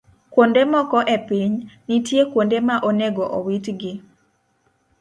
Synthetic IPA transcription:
kwondemɔkɔʔepiɲnitjekwondemaʔoneɡɔʔowitɡɪ

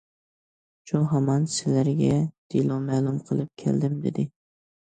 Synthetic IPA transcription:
t͡ʃʰʊɦamɑnsɪlaɾɡʲad̪̥ɪlˠɒwmaːlˠʊmqʰɨlˠɪp̚kʲʰḛld̪ɪmd̪ḛd̪ɪ

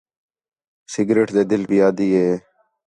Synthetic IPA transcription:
sɪɡɾeːʈd̪eːd̪ɪlbijaːd̪iːɦeː

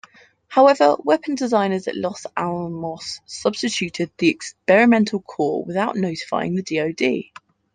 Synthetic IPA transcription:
haʊɛvə̰wɛpʰə̃ndɪzãɪ̃nəzə̰ʔlɒsalˠmɒsʌb̥stɪt͡ʃʰʉˑtʰɪd̪̚ðiɛkspɛɹɪmɛ̃ntʰˡəlˠkʰɔ̰ːwɪ̰ðaʊʔnəʊtɪ̥fa̰ɪɪ̰̃ŋðədiːəʊdḭː

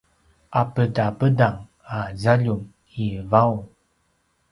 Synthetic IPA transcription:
ʔapədapədaŋ | azaʎum | ivaw

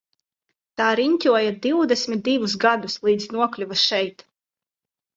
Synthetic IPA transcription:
t̪aːɾiɲʲt̪ʲuɔjad̪iwd̪ɛsʲmʲit̪̚d̪ivusɡad̪uslˠiːd̪znuɔklʲuvasʃɛjt̪

